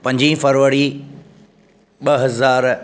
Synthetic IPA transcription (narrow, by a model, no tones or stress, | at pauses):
pɐ̃ɲd͡ʑĩfɐɾʋəɾi | ɓɐɦɐzaːɾ